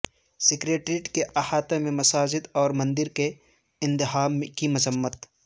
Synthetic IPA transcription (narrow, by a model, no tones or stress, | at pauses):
sɪkɾeːʈɾiʈkeʔɐhaːt̪emẽmɐsaːd͡ʒɪd̪ɔːɾmɐ̃nd̪ɪɾke | ɪ̃nt̪ɪɦaːmkimɐzəmːət̪